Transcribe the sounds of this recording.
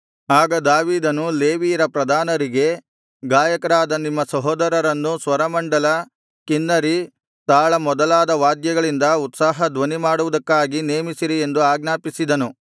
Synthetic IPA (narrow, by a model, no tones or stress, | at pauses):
aːɡɐd̪aːʋiːd̪ɐnule̞ːʋiːɾɐpɾɐd̪ʱaːnɐɾiɡe̞ | ɡaːjɐkɐɾaːd̪ɐnimːɐsɐɦɔːd̪ɐɾɐɾɐnːusʋɐɾɐmɐɳɖɐlɐ | kinːɐɾi | t̪aːɭɐmɔd̪ɐlaːd̪ɐʋaːd̪jɐɡɐɭind̪ɐut̪saːɦɐd̪ʋɐnimaːɽuʋud̪ɐkːaːɡine̞ːmisiɾie̞nd̪uaːɡnaːpisid̪ɐnu